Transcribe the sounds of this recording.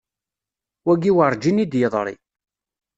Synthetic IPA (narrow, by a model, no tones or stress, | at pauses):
wæɡiwəɾˤd͡ʒinid̪jəðˤɾˤḭ